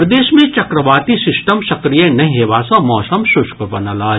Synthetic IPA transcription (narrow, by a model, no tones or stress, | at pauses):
ɾd̪eːʃmẽt͡ʃɐkɾəʋaːt̪isɪsʈəmsɐkɾijenɐɦĩɦeːʋaːsɐ̃mɔːsɐmʃʊʃkbɐnəlaː